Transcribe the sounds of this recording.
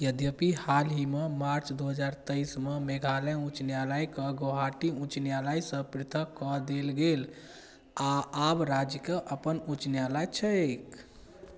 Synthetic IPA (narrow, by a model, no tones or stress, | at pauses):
jəd̪jəpihalɦimemaɾt͡ʃʰd̪uɦəd͡ʒaɾt̪əjsmemeɡʱaləũt͡ʃnjaləjkəɡoɦaʈiũt͡ʃnjaləjsə̃pɾit̪ʰəkːɔd̪elɡel | aabɾad͡ʒkeʔəpənũt͡ʃnjaləjt͡ʃʰəek